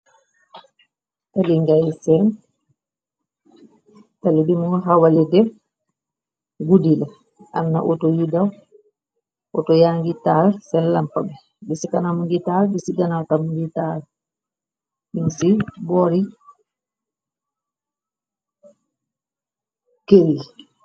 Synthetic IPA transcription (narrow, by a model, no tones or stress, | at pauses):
taliŋɡajsɛn | talibimuɦawalɛdɛb | ɡudila | ʔa̰nːa̰ʔɔtɔjudaw | ʔɔtɔjaŋɡitalsɛnlampabɛ | bisikanamuŋɡitalbisiɡanawtamuŋɡital | binsibɔɾi | keɾi